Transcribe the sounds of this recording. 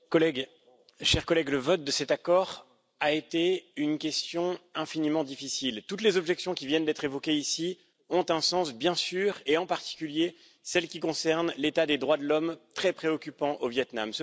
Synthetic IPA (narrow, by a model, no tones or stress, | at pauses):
kɔlɛɡ | ʃɛʁkɔlɛɡləvɔt̪̚d̪əsɛt̪akɔʁ | aet̪eynkʲɛst̪jɔ̃ɛ̃finimɑ̃d̪ifisilt̪ut̪lezɔbʒɛksjɔ̃kʲivjɛnd̪ɛt̪χevɔkʲeisi | ɔ̃t̪ɛ̃sɑ̃sbjɛ̃syʁeɑ̃paʁt̪i̥kʲylje | sɛlkʲik̬ɔ̃sɛʁnlet̪ad̪ed̪ʁwad̪əlɔmt̪χɛpχeɔkʲypɑ̃ʔovjɛt̪namsə